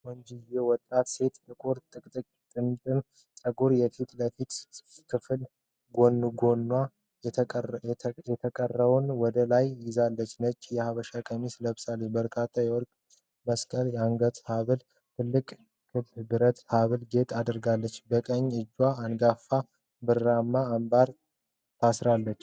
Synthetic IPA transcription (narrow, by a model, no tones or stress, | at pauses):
wɔɲd͡ʒijɛwɔt̪ʼːat̪se̞t̪t̪ɨkʼoɾt̪ʼɨkʼt̪ʼɨkʼt̪ʼɨnːt̪ʼɨm | sʼəɡuɾjɛfit̪ʼləfit̪kʰɨfɨl | ɡo̞nːuɡonːwa | jɛt̪ʰəkʼərːəβunwɔd̪əlajːɪzalːət͡ʃːnət͡ʃːjɛhaβəʃakʼəmisləβɨsalebəɾkʰat̪ʰːajɛwɔɾkʼ | məskʼəljɛaŋɡət̪haβɨl | t̪ʰɨlːɨkʼ | kʰɨbbɨɾət̪haβɨlɡe̞t̪ʼad̪ɾɡalːət͡ʃːbəkʼəɲːɨd͡ʒːwaːnɡafa | bɨɾːamːaːmbaɾ | t̪ʰasɾalːət͡ʃː